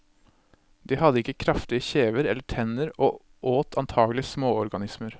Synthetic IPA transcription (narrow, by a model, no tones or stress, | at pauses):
d̪̥iːhɑd̪əɪkːəkʰɾɑft̪ɪəçeːʋəɾɛlːəʈʰɛnəɾoː | ʔoːt̪ʰɑnt̪ʰɑːɡəlɪsmoːɔɾɡɑnɪsməɾ